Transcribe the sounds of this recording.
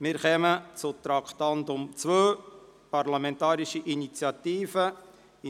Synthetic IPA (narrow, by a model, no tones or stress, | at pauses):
mɪɾχɛmət͡sʊt̪ɾɑkχt̪ɑndʊmt͡sʋøːpɑrlɑmɛntɑːɾiʃiʔinit͡sjɑt̪iːfə